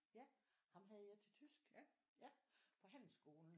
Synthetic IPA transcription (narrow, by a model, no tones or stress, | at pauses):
jæhɑ̈mɦæð̞ˠjɑ̈ɪt͡sʰe̝lt͡sʰysɡ̥ | æpʰɒ̽ɦæn̰l̩sɡ̥o̝ːln̩